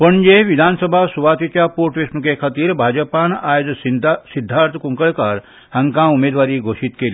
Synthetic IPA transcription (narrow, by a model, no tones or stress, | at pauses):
pəɳd͡ʒeʋid̪ʱaːnsəbʱasuʋaːt̪it͡ʃjapoɾʈʋismukekʰət̪iɾbʱaːd͡ʒəpanaːjd͡ʒsid̪ʱːaɾt̪ʰkuŋkəɭkaɾ | hɐŋkãumed̪ʋaːɾiɡʱoːʃit̪kel